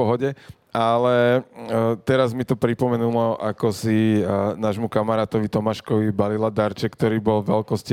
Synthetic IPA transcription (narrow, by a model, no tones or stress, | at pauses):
ɔɦɔɟɛ | alɛ | t̪ɛɾazmit̪ɔpɾipɔmɛnulɔʔakɔsinaːʒmukamaɾaːt̪ɔʋit̪ɔmaʃkɔʋibalilad̪aɾt͡ʃɛkːt̪ɔɾiːbɔlʋɛlkɔsci